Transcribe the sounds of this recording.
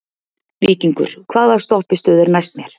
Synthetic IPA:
viːciŋkʏ̰ɾ̥kʰvaːðḁst̪ɔhpɪst̪œːðʏɾnajst̪mjɛɾ̥

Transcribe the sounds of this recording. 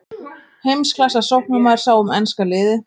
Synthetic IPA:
hejmskʰlasasowhk̚namaðɾ̥saːwɔmɛnskalɪːðɪ

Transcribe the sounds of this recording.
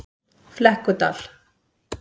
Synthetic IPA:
flɛhkʊt̪a̰l̥

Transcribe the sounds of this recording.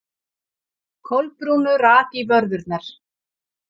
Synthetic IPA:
kʰowlpɾuːnʏɾaːt̪ivœɾðʏɾt̪naɾ̥

